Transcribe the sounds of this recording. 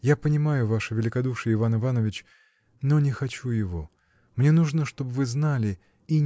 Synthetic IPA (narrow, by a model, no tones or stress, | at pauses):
japənʲɪmajʊvaʂɨvʲɪlʲɪkɐd̪uʂɨjəɪvanɨvanəvʲɪt͡ɕ | nonʲɪxɐt͡ɕujɪvo̞ | mnʲe̞nuʐnəʂt̪o̞bɨvɨznalʲɪ | i